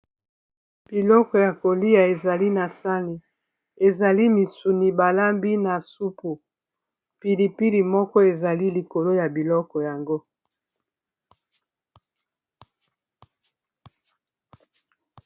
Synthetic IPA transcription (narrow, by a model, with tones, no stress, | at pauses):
b̥i˨lɔ˦kɔ˨ja˨ko˨li˦ja˨e˨za˨li˦na˨sa˦ni˨ | e˨za˨li˦mi˨su˨ni˨ba˨la˦mbi˦na˨su˦pu˨ | pi˨li˨pi˦li˨mɔ˦kɔ˦e˨za˨li˦li˨ko˨lo˦ja˨bi˨lɔ˦kɔ˨ja˨ŋɡo˦